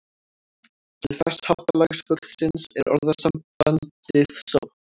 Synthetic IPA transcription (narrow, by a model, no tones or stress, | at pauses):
t̪ʰɪlθɛshɔt̪alɛɣsfʏsɪnsɛɾɔ̰ɾðasam̥pant̪ɪθsɔ̰